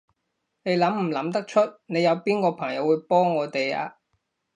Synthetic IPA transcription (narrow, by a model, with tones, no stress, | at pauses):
ne˨˧jlɐ˨˥mm̩˨˩lɐ˨˥mt̪ɐ˥k̚t͡ʃʰɵ˥t̚ne˨˧jɐ˨˧wpiː˥nkɔː˧pʰɐ˨˩ŋjɐ˨˥wuː˨˧jpɔː˥ŋːɔː˨˧t̪e˨ja̰ː˧